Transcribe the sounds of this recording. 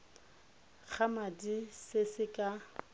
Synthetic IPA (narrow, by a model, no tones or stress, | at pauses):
k͡xʰamadisɪsɪkʼa